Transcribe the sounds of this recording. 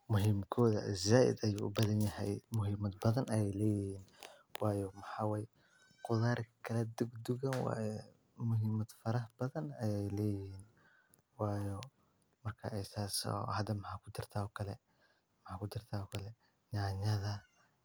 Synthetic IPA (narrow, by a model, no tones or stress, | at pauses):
mʊɦiːmkʰɔːðɐ̰zaːʔɪ̰d̪ɐjuːʔʊbɐðɐnjɐɦɛjmʊɦiːmɐd̪bɐðɐnɐjɛjlɛːjɪhiːn | wɑːjɔmɐħaːwɛːj | qʊðaːɾkʰɐlɛd̪ʊɡd̪ʊɣɐnwɑ̰jɛ | mʊɦiːmɐd̪̥fɐɾɐhbɐðɐnɐjɛjlɛːjɪhiːn | wɑːjɔ | mɐrkʰɐ̰ʔɛsaːsɔ̰ːhɐd̪ɐmɐħaːkʰʊd̪ɪrt̪ʰaɔkʰɐlɛ | mɐħaːkʰʊd̪ɪrt̪ʰaɔkʰɐlɛ | naɲɐðɐ